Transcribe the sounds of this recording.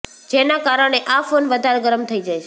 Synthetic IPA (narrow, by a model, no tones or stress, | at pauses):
d͡ʒenakaɾəɳ̃eʔafonʋəd̪ʱaɾɡəɾəmt̪ʰəid͡ʒajt͡ʃʰe